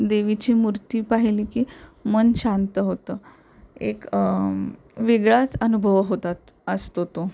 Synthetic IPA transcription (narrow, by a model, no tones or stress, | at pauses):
d̪eʋit͡ɕimuɾt̪iːpaɦilikiːmənɕãnt̪əɦot̪əː | ek | ʋiɡɭat͡sənubʱəʋɦot̪at̪ | əst̪ot̪o